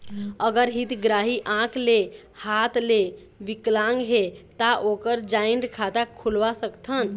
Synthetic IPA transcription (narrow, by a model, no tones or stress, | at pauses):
əɡəɾɦit̪ɡɾaɦiʔãkʰle | hat̪ʰle | ʋiklãŋɡɦet̪aʔokəɾd͡ʒaɪnɾkʰat̪akʰːulʋasəkt̪ʰən